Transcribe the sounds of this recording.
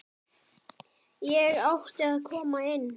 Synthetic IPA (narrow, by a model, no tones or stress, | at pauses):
jɛɹɔht̪əkʰɔːmaɪn